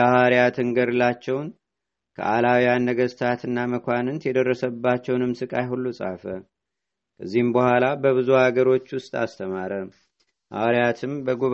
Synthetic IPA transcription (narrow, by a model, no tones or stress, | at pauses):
əhaɾijat̪ʰɨŋɡəɾɨlat͡ʃːɛwn | kʰə̰ʔalawjanːəɡəst̪ʰat̪ɨnːaməkʷʰanɨnt̪jɛd̪ərːəsəbːat͡ʃːɛwnɨmsɨkʼajɦulːusʼa̰fə | kʰəzːihɨmbəhʷalabəβɨzuhaɡəɾo̞t͡ʃːwʊst̪ʼa̰st̪ʰəmaɾə | ʔa̰wɾijat̪ʰɨmbəɡuβ